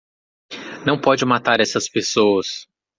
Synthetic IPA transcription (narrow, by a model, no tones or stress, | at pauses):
nɐ̃w̃pɔd͡ʒɪmat̪aɾɛsɐspesowɐs